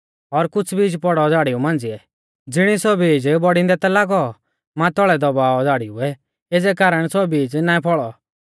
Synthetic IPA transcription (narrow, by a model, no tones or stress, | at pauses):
ɔɾkʊt͡sʰbiːd͡ʒpɔɽɔd͡zaːɽiumãːnd͡ziɛ | d͡zɪɽ̃isɔbiːd͡ʒbɔɽĩnd̪ɛt̪alaːɡɔ | mãt̪ɔːɭɛd̪ɔbaːɔd͡zaːɽiuɛ | ed͡zɛkaːɾəɽ̃sɔbiːd͡znãːĩpʰɔɭɔ